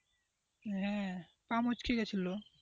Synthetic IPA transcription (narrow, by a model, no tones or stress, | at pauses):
ɦɛ̃pamot͡ɕkʰieɡɛt͡ɕʰilo